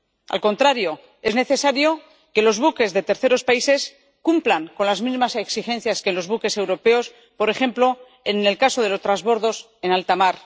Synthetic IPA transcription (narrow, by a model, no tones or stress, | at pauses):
a̰lko̞nt̪ɾaɾjo̞ | e̞zne̞θe̞saɾjo̞ | ke̞lo̞zβuke̞zðe̞t̪e̞ɾθe̞ɾo̞spaise̞s | kumplaŋko̞nlazmizmase̞ksixẽ̞n̟θjaske̞nlo̞zβuke̞se̞wɾo̞pe̞o̞s | po̞ɾe̞xe̞mplo̞ | enelkaso̞ðe̞lo̞st̪ɾazβo̞ɾðo̞s | e̞nalt̪amaɾ